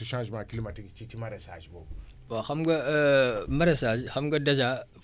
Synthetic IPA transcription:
uʃãːʒmãklimatikt͡ʃitimaɾasaʒbo | baxamɡa | maɾasaʒxamɡadaza

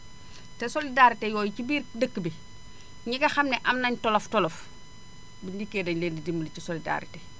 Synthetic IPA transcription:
tesolidaɾitejɔːjicibiːɾdəkːəbi | ɲiɡɐxamneʔɐmnɐɲtoloftɔlof | biɲdikːeːdɐɲleːndidimːulicisolida̰ɾḭte

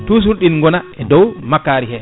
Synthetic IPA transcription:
tus̬uɾɗinŋɡɔnaʔɛdɔwmakːaɾihɛ

